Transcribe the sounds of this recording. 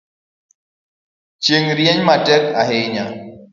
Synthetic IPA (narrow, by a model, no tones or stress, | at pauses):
t͡ʃeŋɾjɛɲmatɛk̚aɦeɲa